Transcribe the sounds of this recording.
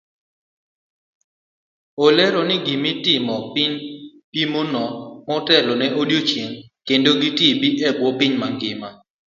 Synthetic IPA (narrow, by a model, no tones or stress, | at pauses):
olɛɾonɪɡimitɪmɔpɪɲ | pimonɔmɔtɛlɔnɛʔodjot͡ʃjeŋkendoɡitibiʔɛɡwɔpɪɲmaŋɡɪma